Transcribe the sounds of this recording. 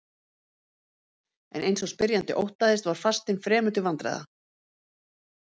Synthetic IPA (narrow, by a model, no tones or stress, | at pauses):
ɛ̰nejnsɔspɪɾjant̪ɪ̰ʔowht̪aðɪst̪vaɾ̥fast̪ɪnfɾɛːmʏt̪ʏvant̪ɾa̰ða̰